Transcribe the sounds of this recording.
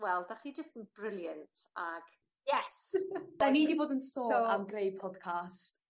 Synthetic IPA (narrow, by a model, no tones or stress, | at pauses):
wɛlˠdaχid͡ʒəstənb̥rɪlˠjəntʰaɡ̥ | jɛsd̥aniːdiboːdənsoːoamɡrejpʰɔd̥kʰast